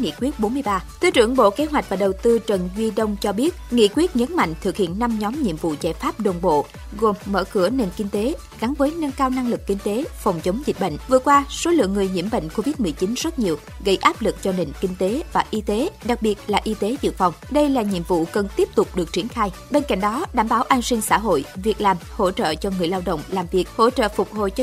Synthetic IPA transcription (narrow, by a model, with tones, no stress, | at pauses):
ŋḭ˧˨kwi˦˥ət̚ɓo˨˦nmɨ˧əjɓaː˧t̪ʰe˧˦t͡ɕɨ̰˧˩əŋɓo̰˧˨ke˨˦ɦwa˨˩k̚vaː˨˩ɗə˨˩wt̪ɨ˧t͡ɕə˨˩nzwi˧ɗə˧wŋ͡mt͡ɕɔ˧ɓi˦˥ət̚ŋḭ˧˨kwi˦˥ət̚ɲə˨˦nma̰˧˨jŋ̟t̪ʰɨ˨˩k̚hḭ˧˨ənːa˧mɲɔ˨˦mɲḭ˧˨əmvṵ˧˨zaː˧˩jfaː˦˥p̚ɗo˨˩nɓo̰˧˨ | ɣo˨˩mːə̰ː˧˩kɨ˧˩əne˨˩nkï˧ŋ̟t̪e˨˦ | ɣa˨˦ŋvəː˨˦jnə˧nkaː˧wna˧ŋlɨ˨˩kːï˧ŋ̟t̪e˨˦fɔ˨˩wŋ͡mt͡ɕə˨˦wŋ͡mzi̟˨˩ɓə̰˧˨ŋ̟vɨ˨˩əkwaː˧so˨˦lɨ̰˧˨əŋːɨ˨˩əjɲḭ˧˩əmɓə̰˧˨ŋ̟ko˧vi˦˥t̚mɨ˨˩əjt͡ɕi˨˦nzə˦˥t̚ɲi˨˩əw | ɣə̰˧˩jʔaː˦˥p̚lɨ˨˩k̚t͡ɕɔ˧ne˨˩nkï˧ŋ̟t̪e˨˦vaː˨˩ʔi˧t̪e˨˦ɗa˨˩k̚ɓi˨˩ət̚laː˨˩ʔi˧t̪e˨˦zɨ̰˧˨əfa˨˩wŋ͡mɗə˧jlaː˨˩ɲḭ˧˨əmvṵ˧˨kə˨˩nt̪i˦˥ək͡ppt̪ʊ˨˩k͡p̚ɗɨ˨˩ək̚t͡ɕi˨˦ənxaː˧j | ɓe˧nka̰˧˨jŋ̟ɗɔ˨˦ɗaː˧˩mɓaː˨˦wʔaː˧nsi˧ŋsa̰ː˧˥ɦo̰˧˨jvi˨˩ək̚laː˨˩mho̰˧˥t͡ɕə̰ː˧˨t͡ɕɔ˧ŋɨ˨˩əjlaː˧wɗə̰˧˨wŋ͡mlaː˨˩mvi˨˩ək̚ho̰˧˥t͡ɕə̰ː˧˨fʊ˨˩k͡p̚ɦo̰˧˨jt͡ɕɔ˧